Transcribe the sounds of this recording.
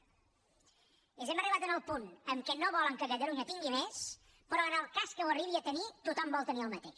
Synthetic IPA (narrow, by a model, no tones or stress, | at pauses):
əzɛməriβat̪ənəlˠpunəmkɛnoβɔləŋkəkət̪əluɲət̪iŋɡimɛs | pəɾɔənəlˠkaskəwəriβiət̪ənit̪ut̪ɔmbɔlˠt̪əniəlˠmət̪eʃ